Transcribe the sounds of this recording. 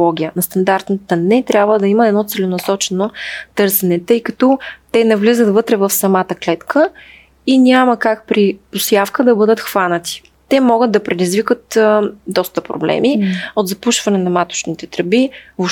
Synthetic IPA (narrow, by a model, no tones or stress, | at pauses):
ɔɡʲijənɐst̪ɐnd̪aɾt̪nət̪ənɛt̪ɾʲjabvəd̪ɐiməɛd̪nɔt̪sɛlɛnɐsɔt͡ʃɛnot̪ɤɾsɛnɛt̪ɤjkɐt̪ɔt̪ɛnɐvlizət̪vɤt̪ɾɛvɐfsɐmat̪əklɛt̪kʰə | inʲaməkak̚pɾiposjafkəd̪ɐbɤd̪ət̪xvanət̪i̥ | t̪ɛmɔɡət̪̚d̪ɐpɾɛd̪izvikət̪d̪ɔst̪əpɾo̰blɛ̰miod̪zɐpuʃvɐnɛnɐmat̪ʊ̥ʃnit̪ɛt̪ɾɐbivo